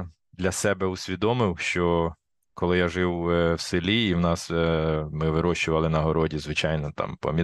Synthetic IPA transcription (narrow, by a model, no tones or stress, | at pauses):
d̪lʲɐsɛbɛusʲʋʲid̪ɔmɪwʃt͡ʃɔ | kɔlˠɪjaʒɪwwsɪlʲiːwnɑsmɪʋɪɾɔʃt͡ʃʊʋɐlˠɪnɐɦɔɾɔdʲizʋɪt͡ʃɑjnɔt̪ɑ̰mpɔ̰mʲi